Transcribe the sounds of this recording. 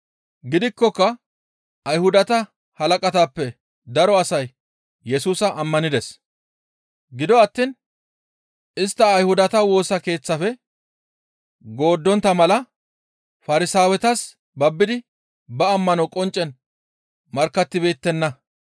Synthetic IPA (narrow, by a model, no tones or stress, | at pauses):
ɡɪd̪ɪkːɔkːɐ | ɐjhʊd̪ɐt̪ɐ | hɐlɐkʼɐt̪aːpːɛ | d̪ɐɾɔɐsɐj | jːɛsuːsɐʔɐmːɐnɪd̪ɛs | ɡɪd̪ɔɐt̪ːiːn | ɪst̪ːɐːjhʊd̪ɐt̪ɐwo̞ːsɐke̞ːt͡sːɐfɛ | ɡo̞ːd̪ːɔnt̪ːɐmɐlɐ | fɐɾɪsaːwɛt̪ɐs | bɐbːɪd̪ɪ | bɐːmːɐnɔkʼɔnt͡ʃʼːɛn | mɐɾkːɐt̪ːɪbe̞ːt̪ːɛnːɐ